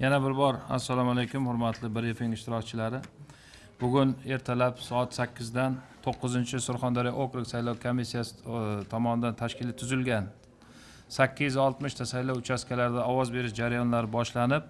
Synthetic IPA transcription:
janabɪɾbɒɾa̰sːalˠɒmalejkʲʰʊmhʊɾmat̪ʰlɪbɪɾefɪŋɪʃt̪ʰɪɾɒkt͡ʃʰɪlaɾɪ | bʊɡʲʊne̞ɾt̪ʰalapsɒat̪sakʲʰːɪzd̪ant̪ʰoqːɨzɪnt͡ʃʰɪsʊɾχɒnd̪ɒɾijʔokɾɪksajlɒwkʰomisːijasɪ̥t̪ʰɒmɒnɪd̪ant̪ʰaʃkʲʰɪlɪt̪ʰʊzɪlɡʲan | sakʲːɪzzɒlˠt̪mɪʃt̪ʰasajlɒwʊt͡ʃʰaskʲalaɾɪd̪aɒwɒzbe̞ɾɪʃd͡ʒaɾajɒnlaɾɪbɒʃlanɪp̚

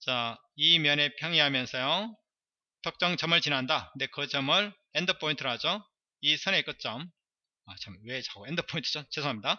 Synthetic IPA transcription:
t͡ɕa | imjʌne̞pʰjʌŋiɦamjʌnsʰʌjo | tʰʌk̚t͡ɕ͈ʌŋt͡ɕʌmɯɭt͡ɕinɦandakɯnde̞kɯt͡ɕʌmɯɭ | endɯpʰointʰɯɾɯɭɦad͡ʑo | isʰɯne̞k͈ɯt̚t͡ɕ͈ʌm | at͡ɕamwe̞t͡ɕaɡoendɯpʰointʰɯ̥d͡ʑot͡ɕesʰoŋamɲida

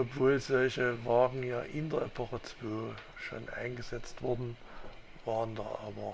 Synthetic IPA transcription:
ʔɔpv̥oːlzɔlçəvaːɡŋ̩jaːʔɪndɐɐɛpʰɔχət͡sv̥oː | ʃo̰ːnʔa̰ɪnɡəzɛt͡stv̥ʊɐdn̩ | vaːʁəndaːʔa̰ːbɐ

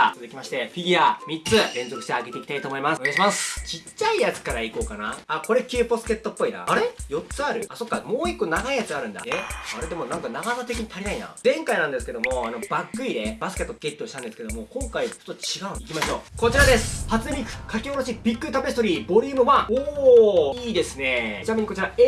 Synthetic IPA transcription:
sɨd̪ekʲimaɕi̥t̪e̞ɸʲiɡʲiamʲitt͡sɨɾẽ̞nzokɯ̟ɕit̪eaɡe̞t̪e̞ikʲit̪ait̪oːmo̞imasneaiɕimasɨ̥t͡ɕit͡ɕːaijat͡sɨ̥kaɾaiko̞ːkanaako̞ɾe̞kʲɯːposɨ̥ke̞t̪ːo̞pːo̞ina̰aɾejo̞tt͡sɨaɾɯ̟aso̞kːamoːikːo̞naɡaijat͡sɨaɾɯ̟̃nd̪a̰eaɾe̞d̪e̞mo̞nãŋkanaɡanat̪e̞kʲiɲ̟it̪ʰaɾʲinaina̰zẽ̞ŋkainãnd̪e̞sɨ̥ke̞d̪o̞mo̞ano̞bakːɯ̟id̪e̞basɨ̥ke̞t̪ːoɡe̞t̪ʲːo̞ːɕit̪ãnd̪e̞sɨ̥ke̞d̪o̞mo̞kõ̞ŋkait͡ɕot̪ːot͡ɕiɡaɯ̟nikʲimaɕo̞ːko̞t͡ɕiɾad̪e̞sɨ̥hat͡sɨnebʲikɯ̟̥kʰakʲeoɾoɕibʲikːɯ̟t̪abe̞si̥t̪o̞ɾʲiːbo̞ɾʲɯːmɯ̟βaoːiːd̪e̞sɨne̞t͡ɕinameɲ̟ikot͡ɕiɾae

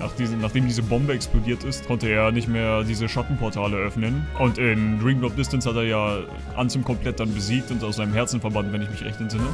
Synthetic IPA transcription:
na̰ːχd̥iːznaːχd̥eːmdiːzəbɔmbəɛksplodiːɐtɪstkʰɔntəeːɐnɪçtmeːɐdiːzəʃatn̩pʰɔɐtʰaːləʔœfnənʔʊntɪndʁiːmdɔp̚d̥ɪstanshateːɐjaː | ʔa̰nt͡sɪmkʰɔmplɛt̚d̥anbəziːk̚tʊntaʊszaɪnəmɦɛɐt͡sn̩fɛɐbantvɛnɪçmɪçʁɛ̰çtɛntz̥ɪnə

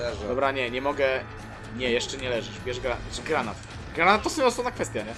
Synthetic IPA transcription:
ɛd̪ɔbɾaɲɛɲɛmɔɡɛ | ɲɛjɛʂt͡ʂɛɲɛlɛʐɛʂbʲjɛʐɡɾaɡɾanat̪ | ɡɾanat̪ːɔsɔmʲɔsɔvnakfɛst̪jaɲɛ

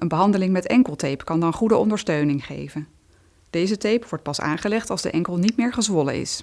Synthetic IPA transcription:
ʔənbəɦɑndəlɪŋmɛtɛŋkəlˠtejpkɑndɑnχudəɔ̰ndəɹstøɥnɪŋχḛjvən | d̥ejzətejpʋɔɹt̚pɑsa̰ːnχəlɛχtɑlˠzdə̰ʔɛŋkəlˠnitmɪːɹχəzʋɔlə̰ɪ̰s

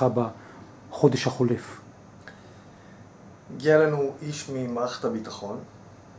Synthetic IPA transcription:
aba | χo̞deʃhaχolef | ɡialanuʔiʃmimaχḁt̪abitaχo̞n

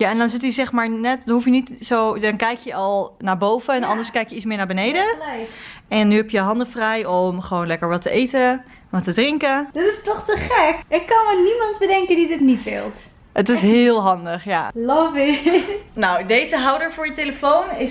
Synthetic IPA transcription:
jaɛndɑnzɪtəzɛχmaːɹnɛttɦufjənitsowdɑnkɛjkjəʔɑlˠnaːɹbowvəɛnɑndəɹskɛjkjəitsmɪːɹnaːɹbənejdə | ɛnːyɦɛpjəɦɑndəfrɛjɔmχəʋoːwnlɛkəɹʋɑtəʔejtə | ʋɑtədrɪŋkəd̥ɔtɪstɔχtəχɛkɪkːɑnmənimɑntbədɛŋkəndidɪtnitʋɪ̰lˠt | ətɪsɦɪːlˠɦɑndəχjalɔvɪnawdejzəɦawdəɹvʊːɹjəteləfownɪ

